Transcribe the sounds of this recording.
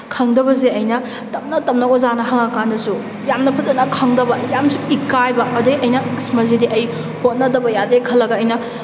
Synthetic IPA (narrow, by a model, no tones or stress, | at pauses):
kʰɐŋdɐbɐzeɐjnɐ | tɐm̚nɐtɐmnɐɡozanɐɦɐŋɐkandɐsu | jamnɐpʰɐzɐnɐkʰɐŋdɐbɐjamsuikːajbɐʔɐdɐiʔɐjnɐksmɐzidiʔɐj | hot̚nɐdɐbɐjadekʰɐlːɐɡɐːjnɐ